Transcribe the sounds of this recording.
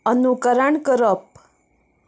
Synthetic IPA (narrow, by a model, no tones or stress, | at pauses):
ənukəɾəɳkəɾəp̚